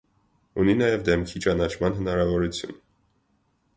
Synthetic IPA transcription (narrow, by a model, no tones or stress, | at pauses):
uninɑjɛvd̪ɛmkʰit͡ʃɑnɑt͡ʃʰmɑnɦənɑɾɑvɔɾut͡sʰjṵn